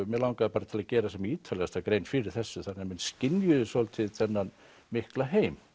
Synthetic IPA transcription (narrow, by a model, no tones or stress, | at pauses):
mɛlawŋkaðpaːɾat̪ʰɪlacɛːɾasɛmiːt̪ʰalɛɣast̪akɾejnfɪɾɪɾ̥θɛsːʏθanɛmɪnscɪnjʏðʏsɔlt̪ʰɪðθɛnːan | mɪhklaɦeːjm